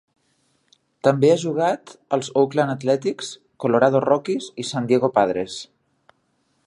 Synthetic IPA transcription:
t̪əmbeaʒuɣ̞at̪əlˠzowklanət̪lɛt̪iks | koloɾað̞orɔkisisand̪jeɣopað̞ɾes

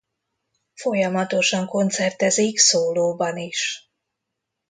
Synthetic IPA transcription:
fo̞jɒmɒt̪o̞ʃɒŋko̞nt̪sɛrt̪ɛziksoːloːbɒniʃ

